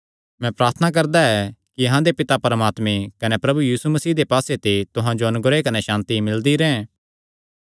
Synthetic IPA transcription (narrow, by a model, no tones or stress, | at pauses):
mɛ̃pɾaːɾt̪ʰənak̬ɐɾd̪aɛkiɐɦãd̪epɪt̪apɐɾmaːt̪mekɐnepɾɐbujiːsumɐsiːd̪epaːset̪et̪ʊɦãd͡ʒoɐnʊɡɾekɐneʃãːnt̪imɪld̪iɾɛ̃ɛ̃